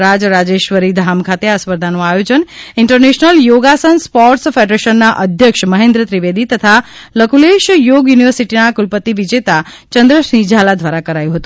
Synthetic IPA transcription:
ɾad͡ʒɾad͡ʒeʃʋəɾid̪ʱamkʰat̪easpəɾd̪ʱanũajod͡ʒənɪɳʈəɾneʃnəljoɡasənspɔɾʈsfeɖɾeʃənːaʔəd̪ʱjəkʃməɦẽnd̪ɾət̪ɾiʋed̪it̪ət̪ʰa | ləkuleʃjoɡjuniʋəɾsiʈinakulpət̪ːiʋid͡ʒet̪a | t͡ʃənd̪ɾəsĩd͡ʒʱalad̪ʱʋaɾakəɾajũɦət̪ũ̥

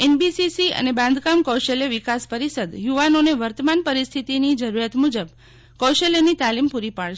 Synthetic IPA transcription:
enbisisiə̰nebãnd̪ʱkamkowʃeljeʋikaspəɾisəd̪juʋanoneʋəɾt̪əmanpəɾist̪ʰit̪inid͡ʒəɾuɾjat̪mud͡ʒəb | kɔʃeljenit̪alimpuɾipaɭʃ

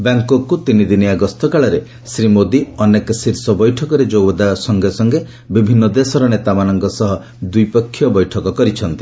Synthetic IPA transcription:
baŋkɔkut̪inid̪iniaɡɔst̪ɔkaɭɔɾe | sɾimod̪iɔnekɔsiɾsɔbɔjʈʰɔkɔɾed͡ʒobɔd̪asɔŋɡesɔŋɡe | bibʱinːɔd̪esɔɾɔnet̪amanɔŋkɔsɔɦɔ | d̪ujpɔkʰːjɔbɔjʈʰɔkɔkɔɾit͡ʃʰɔnt̪i̥

